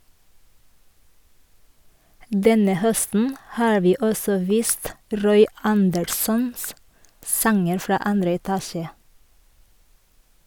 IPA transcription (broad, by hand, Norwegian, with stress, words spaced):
ˈdɛnə ˈhœstn̩ ˈhɑːɹ ˈʋiː ˈɔsɔ ˈʋiːst ˈɾɔʏ ˈɑndəɾsɔns ˈsɑŋəɾ ˈfɾɑː ˈɑndɾə ɛˈtɑːʃə